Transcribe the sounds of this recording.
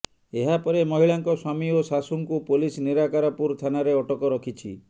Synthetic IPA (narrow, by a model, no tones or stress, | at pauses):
eɦapɔɾemɔɦiɭaŋkɔswamiosasuŋkupolisniɾakaɾɔpuɾt̪ʰanaɾeɔʈɔkɔɾɔkʰit͡ʃʰḭ